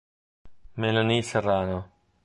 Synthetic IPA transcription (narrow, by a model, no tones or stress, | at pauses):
melaniseraːno